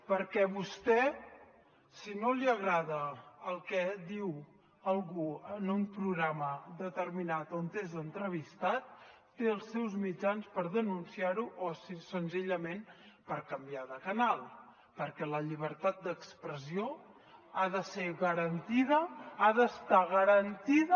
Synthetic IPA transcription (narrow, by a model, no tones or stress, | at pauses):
pəɾkɛβust̪ɛ | sinoliəɣɾaðəːlˠkɛd̪iw | əlˠɣuənumpɾuɣɾaməðət̪əɾminat̪ont̪ezənt̪ɾəβist̪at̪̚ː | eəlˠsːɛwzmid͡ʒanspəɾðənunsiaɾuʔosisənziʎəmenpəɾkəmbiaðəkənalˠ | pəɾkɛləʎiβ̞əɾt̪at̪̚d̪əkspɾəzio | aðəseɣəɾənt̪iðəaðəst̪aɣəɾənt̪iðə